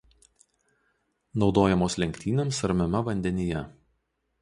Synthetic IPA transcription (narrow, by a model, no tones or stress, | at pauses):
nɒʊd̪oːjɛmoːslʲɛŋʲkʲt̪ʲiːnʲemsɐɾʲmʲɛmɐʋɐnʲd̪ʲɛnʲɪjɛ